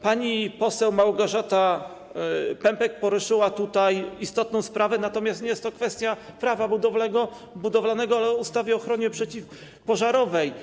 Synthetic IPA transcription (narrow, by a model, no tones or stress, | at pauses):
paɲipɔsɛwmawɡɔʐat̪a | pɛmpɛk̚pɔɾuʂɘwat̪ut̪ajist̪ɔt̪nɔ̃w̃spɾavɛnat̪ɔmʲjast̪ɲɛjɛst̪ːɔkfɛst̪ʲjapɾavabud̪ɔvlɛɡɔ | bud̪ɔvlanɛɡɔalɛust̪avʲjɛɔxɾɔɲɛpʂɛt͡ɕif | pɔʐaɾɔvɛj